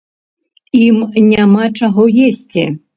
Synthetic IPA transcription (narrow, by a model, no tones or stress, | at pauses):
imnʲamat͡ʂaɣɔjesʲt͡sʲɛ